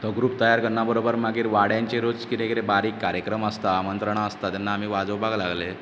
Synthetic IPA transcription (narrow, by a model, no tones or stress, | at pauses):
t̪əɡɾuːp̚t̪əjaɾkəɾɳabəɾobəɾmaɡiːɾʋaɽjãɲt͡ɕeɾod͡zkit̪ekɾebaɾiːkːaɾjəkɾəməst̪aːmənt̪ɾəɳaəst̪at̪janːaːmiːʋad͡zəʋbʱaɡlaɡle